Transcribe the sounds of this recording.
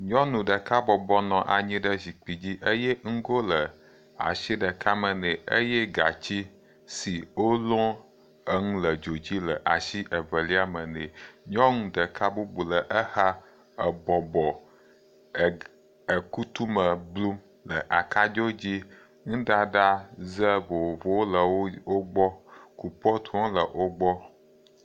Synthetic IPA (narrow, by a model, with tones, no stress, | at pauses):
ɲɔ̃˦nũ˨ɖə˨ka˦bɔ˨bɔ˦nɔ̃˨ʔa˨ɲĩ˦ɖə˦zi˨k͡pi˨d͡ʑi˦ʔə˦jɛ˦ŋ̩˦ɡo˦lə˨ | a̰˨ʃi˦ɖə˨kʰa˦mə˨nẽ˨ə̰˦je˦ɡa̰˨t͡ɕi˦ | si˨wo˦lɔ̃˦ | ə˦ŋũ˦lə˨d͡ʒo˨d͡ʑi˦lə˨ʔa˨ʃi˦ʔə˨və˨li˦a˦mə˨nẽ˨ɲɔ̃˦ŋũ˨ɖə˨ka˦bu˦bu˨lə˨ʔə˦ha˦ | ə˨bɔ˨bɔ˨ | ə˨ku˦t̪u˦mə˨blu˦m | lə˨ʔa˨ka˦d͡ʒo˦d͡ʑi˦ | ŋũ˦ɖa˨ɖa˦zə˦vo˨wo˨vo˨wo˦lə˨wo˦o˦ɡ͡bɔ˦ku˨pɔ˦t̪ʰɔ̃˦lə˨ʔo˦ɡ͡bɔ˦